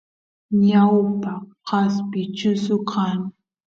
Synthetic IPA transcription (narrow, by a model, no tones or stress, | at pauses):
ɲawpaqɑspɪt͡ʃʊsʊqʰɑŋ